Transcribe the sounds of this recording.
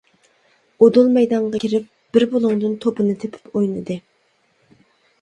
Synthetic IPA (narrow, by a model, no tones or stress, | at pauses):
od̪ulˠmɛjd̪ɑɴʁɑkʲʰiɾɪp̚b̥ɪɾbolˠʊŋd̪ɨnt̪ʰopɨnɨt̪ʰepʰɪ̥pojnɨd̪ɨ